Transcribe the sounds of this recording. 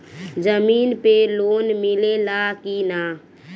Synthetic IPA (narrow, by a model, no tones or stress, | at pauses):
d͡ʒəmiːnpeloːnmɪlelakina